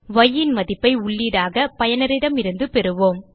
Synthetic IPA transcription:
ʋɐjːɪnmɐðɪpːɐɪʊɭːiːɽaːɣɐpɐjɐnɐɾɪɽɐmɪɾɯnd̪ɯpɛɾɯʋoːm

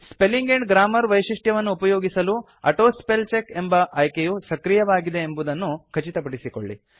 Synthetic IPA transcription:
spe̞liŋɡeɳɖɡɾaːmɐɾʋɐjʂiʂʈjɐʋɐnːuːpɐjoːɡisɐlu | ɐ̰ʈoːspelt͡ʃekembɐʔɐjkejusɐkɾijɐʋaːɡid̪e̞ːmbud̪ɐnːukʰɐt͡ʃit̪ɐpɐɽisikoɭːḭ

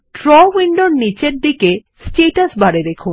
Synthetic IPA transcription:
ʈɾɔwiɳɖoɾnit͡ɕeɾd̪ike | sʈeʈasbaɾeɾekʰun

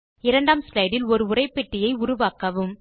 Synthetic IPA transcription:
ɪɾɐɳɖaːmslɐɪɽɪlɔɾɯʊrɐɪpːɛʈːɪjɐɪʊɾʊʋaːkɐʋɯm

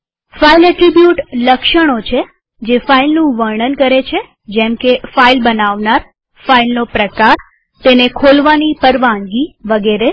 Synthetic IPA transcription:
failɛʈɾibjuʈləkʃəɽ̃ot͡ʃʰe | d͡ʒefailnũʋəɾɳənkəɾet͡ʃʰe | d͡ʒɛ̃mkefailbənaʋnaɾ | failnopɾəkaɾ | t̪enekʰolʋanipəɾʋãŋɡiʋəɡeɾe

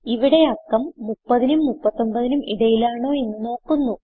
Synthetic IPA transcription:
iʋiɽe̞ɐkːɐmːupːɐðinumːupːɐt̪ːo̞mbɐðinumʔiɽɐjilaːɳo̞ːe̞nːɨno̞ːkːunːu

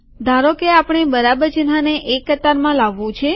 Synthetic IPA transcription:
d̪ʱaɾokeapɳ̃ebəɾabəɾd͡ʒənaneʔekːət̪aɾmãlaʋːũt͡ʃʰe

